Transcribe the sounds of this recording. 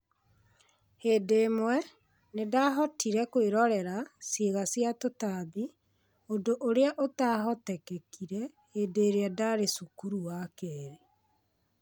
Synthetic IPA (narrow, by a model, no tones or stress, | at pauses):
hedemwɛ | nedaɦɔtʰiɾɛkweɾɔɾɛɾaseɣasjatotaði | odoʔoɾeaʔotaɦɔtɛkɛkʰiɾɛ | heːdeːɾeadaɾesukuɾuwakɛɾe